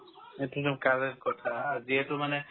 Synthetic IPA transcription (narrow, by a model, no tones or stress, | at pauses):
etutumkaɹɛtkɔtʰaːziɛtʊmanɛ